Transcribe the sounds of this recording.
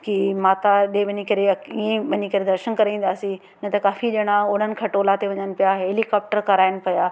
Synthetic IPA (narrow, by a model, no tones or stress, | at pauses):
kimaːt̪aɗeʋɐɲikɐɾeiẽɓɐɲikɐɾed̪ɐɾʃənkɐɾaĩn̆d̪aːsĩ | nɐt̪ɐkaːfiɗeɽ̃ãʊɽ̤ənɪ̆kʰɐʈoːlat̪eʋɐɲənɪ̆pijaɦeːlikaːp̚ʈəɾkɐɾaːɪnɪ̆pɐjaː